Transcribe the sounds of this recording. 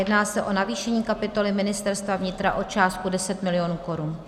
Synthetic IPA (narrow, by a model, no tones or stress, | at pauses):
jɛdnaːsɛʔo̞naviːʃɛɲiːkapɪt̪o̞lɪmɪnɪst̪ɛɾst̪vavɲɪt̪ɾaʔo̞t͡ʃaːst̪̚kudɛsɛt̪mɪlɪjo̞nuːko̞ɾun